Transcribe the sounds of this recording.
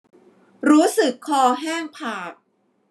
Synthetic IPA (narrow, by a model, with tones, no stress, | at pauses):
ɾuː˦˥sɯ˨˩kʰːɔː˧ɦɛː˥˩ŋpʰaː˨˩k̚